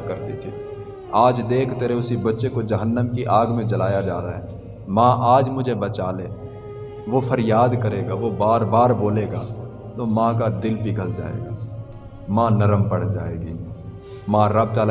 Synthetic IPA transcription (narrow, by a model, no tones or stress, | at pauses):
kɐɾt̪it̪ʰiː | aːd͡ʒd̪eːkʰt̪eɾeʊsibɐtːʃekod͡ʒɐɦənːəmkiʔaːɡmẽd͡ʒɐlaːjad͡ʒaːɾaɦɛː | mãːʔaːd͡ʒmʊd͡ʒʱebɐt͡ʃaːleː | ʋofʰəɾjaːd̪kəɾeːɡaʋobaːɾbaːɾboːleːɡaː | t̪omãːkad̪ɪlpiɡʱəld͡ʒa̰ːḛːɡaː | mãːnɐɾəmpɐɽ̤d͡ʒaːḛːɡiː | mãːɾɐb̚t̪al